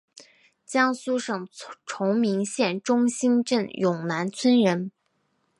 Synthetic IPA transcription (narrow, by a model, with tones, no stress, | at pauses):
t͡ɕjɑ˥ŋsu˥ʂɤ˨˩ŋʈ͡ʂʰʊ˧˥ŋmi˧˥ŋɕjɛ˥˩nʈ͡ʂʊ˥ŋɕi˥nʈ͡ʂə˥˩njʊ˨˩ŋna˧˥nt͡sʰwə˥nɻə˧˥n